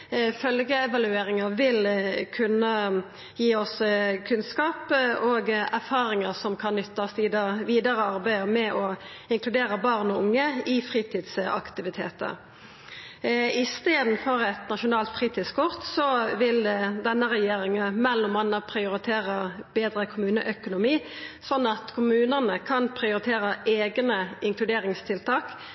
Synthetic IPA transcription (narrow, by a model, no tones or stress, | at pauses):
fœlɡəɛʋɑlʉeːɾɪŋɑʋɪlkʰʉnːə | jiːɔskʰʉnskɑːpoɡæʁfɑːɾɪŋəsɔmkʰɑnːʏt̪ːɑsʋiːd̪əʋiːd̪əɾəɑɾbæɪmɛʔɔ | ɪŋkʰlʉd̪eːɾəbɑʁnɔʊŋːəifʁiːt̪ʰiːd̪sɑ̰kt̪ɪʋɪt̪ʰḛːt̪ə̰ɾ | ɪst̪eːd̪n̩fɔʁɛt̪nɑʃʊnɑːlt̪fʁiːt̪ɪskʰʊʁt̪sɔʋɪld̪ɛnːəʁɛjeːɾɪŋəmɛlːɔmɑnːəpʰʁɪʊɾɪt̪ʰeːʁəbeːd̪ɾəkʰʊmʉːnəʔœkʊnʊmiː | sɔnːɑt̪kʰʊmʉːnəʁnəkʰɑnpʰʁɪʊɾɪt̪ʰeːɾəʔeːɡnəɪŋkʰlʉd̪eːɾɪŋst̪ʰɪlt̪ʰɑːk